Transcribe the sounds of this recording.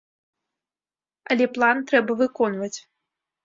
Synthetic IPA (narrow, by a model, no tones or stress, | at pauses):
ɐlʲɛplˠant̪ɾɛbɐvɨkɔnvɐt͡sʲ